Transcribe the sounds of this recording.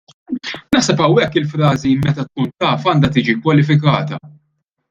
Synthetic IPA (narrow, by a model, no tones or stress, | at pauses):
nɐħsɛpɐwɛkːɪlfɾɐːzimɛt̪ɐt̪̚kuːnt̪ɐːfɐːnd̪ɐt̪iːd͡ʒikwɐlɪfɪk̬ɐːt̪ɐ